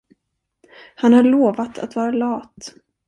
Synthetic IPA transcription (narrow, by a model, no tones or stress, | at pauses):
hanhaɭoːvat̪ʰa̰t̪vɑːɾalɑːt̪